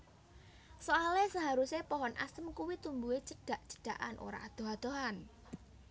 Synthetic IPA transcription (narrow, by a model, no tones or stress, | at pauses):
soalesaɦaɾusepɔɦɔnʔa̰səmkuwit̪umbuet͡ʃəɖ̥a̤ʔt͡ʃə̥ɖ̥a̤ʔa̰nʔo̰ɾa̰ʔad̪̥o̤ɦad̪̥o̤ɦan